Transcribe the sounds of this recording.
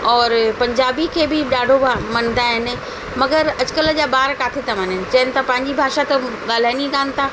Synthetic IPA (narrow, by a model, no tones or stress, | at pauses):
ɔːɾpɐ̃ɲd͡ʑaːbikʰeːbɪɗaːɖʱobmɐ̃nd̪aɦɪnɪ̆ | mɐɡəɾɐt͡ɕʊkələd͡ʑaːbaːɾkaːt̪ʰet̪ʰamɐnɪnɪ̆t͡ɕɐɦənɪ̆t̪ɐpɐ̃ɦɪ̃ɲd͡ʑibʱaːʃat̪ɐɠaːl̤aːɪniɡaːnt̪ʰaː